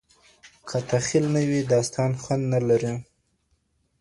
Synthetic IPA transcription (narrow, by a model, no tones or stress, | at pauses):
kʰat̪axilnawid̪ɑst̪ɑnxwand̪nalaɾi